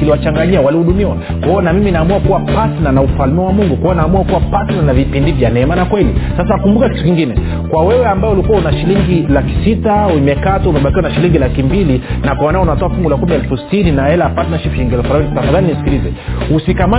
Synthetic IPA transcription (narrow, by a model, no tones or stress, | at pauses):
kiliwat͡ʃaŋɡaɲiawalihuɗumiwa | kaɔnamiminaːmuakuwapatnanaufalmiwawamuŋɡukwanaːmuakuwapatnanavipindivjanɛɛmanakwɛlḭsas̬akumbukakitukiŋɡinɛ | kwawɛwɛambajɔulikuaunaʃiliŋɡilaki̥sitaumɛkatuumɛɓakiwanaʃiliŋɡilakimbilinakwamanaɔunatɔafuŋɡulakumiɛlfusi̥tininaɛlaapatnaʃifiŋɡɛlfaanitafaðaninisi̥kilizɛhusikama